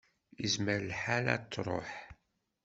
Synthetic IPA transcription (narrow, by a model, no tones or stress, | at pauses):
əzməɾlħalæ̰t͡s̪ːɾˤo̰ħ